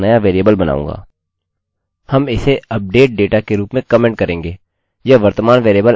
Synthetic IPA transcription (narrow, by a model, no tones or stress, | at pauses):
nɐjaʋeːɾijəbəlbɐna̰ːṵ̃ːŋɡa̰ː | hɐmɪseɐp̚ɖeːʈ̚ɖeːʈakeɾuːpmẽkəmẽːɳʈ̚kɐɾẽːŋɡeː | jɐʋɐɾt̪əmaːnʋeːɾiəbəl